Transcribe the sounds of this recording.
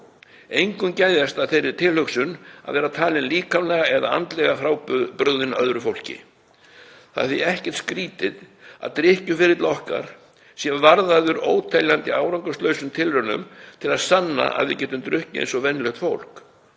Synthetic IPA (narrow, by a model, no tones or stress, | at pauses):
ejŋkʏmcaːjðast̪aðθejɾɪ̥t̪ʰɪlhœksʏna̰ðvɛːɾat̪ʰaːlɪnliːkamlɛːɣaɛða̰a̰nt̪lɛɣafɾaːwppɾœɣðɪnœ̰ðɾʏfowl̥cɪ̰ | θa̰ðθviɛhcɛɾ̥t̪skɾiːt̪ɪða̰ðt̪ɾɪhcʏfɪɾɪt̪lɔhka̰ɾ̥ | sjɛvaɾðaðʏɾoːwt̪ʰɛljant̪ɪaːwɾaŋkʏst̪lœɥsʏmt̪ʰɪlɾœnːʏ̰mt̪ʰɪlaðsanːa̰ʔa̰ðvɪ̰cɛːt̪ʏmt̪ɾʏhcɪḛjnsɔvɛnːlœxt̪fowl̥k